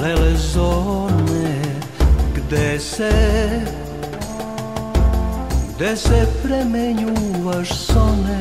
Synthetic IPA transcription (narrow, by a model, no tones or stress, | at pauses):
lɛlɛzonɛ | ɡd̪ɛsɛ | ɡd̪esɛpɾɛmeɲuʋaʃsonɛ